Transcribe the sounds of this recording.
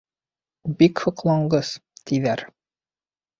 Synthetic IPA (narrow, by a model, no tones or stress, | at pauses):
bikhŏqlˠɑɴɢɤzt̪ʰiðæɾ